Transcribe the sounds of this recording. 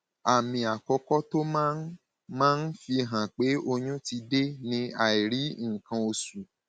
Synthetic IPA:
a˨mĩ˧a˨kɔ˧kɔ˦to˦mã˦ | mãː˦n̩˦fi˧ɦã˨k͡pe˨˦ʔo˧ɲũ˦ti˧de˦nĩ˨˦a˦˨i˨ɾi˨˦ŋ̩˦˨kã˧o˧su˨

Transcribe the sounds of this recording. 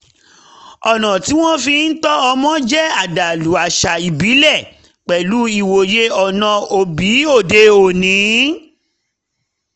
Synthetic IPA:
ɔ˨nɔ̃˨ti˨˦w̃ɔ̃˦fĩ˧n̩˦tɔ˦ɔ˧mɔ̃˦d͡ʒɛ˦a˦˨da˨lu˨˦a˨ʃa˨i˨bi˨˦lɛ˦˨ | k͡pɛ˨lu˨˦i˦˨wo˨je˦ɔ˨nã˧o˧bi˨˦o˦˨de˧o˨nĩ˨˦

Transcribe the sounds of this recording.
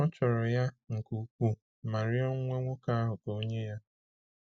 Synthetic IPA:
ɔ˦t͡ʃɔ˨ɾɔ˨ja˦ŋ̩˨ku˨kʷu˦ | ma˨ɾɪ˦ɔ˦ŋʷe˦ŋʷʊ˦ka˦a˦ɦʊ˨ko˦o˦ɲe˦ja˦

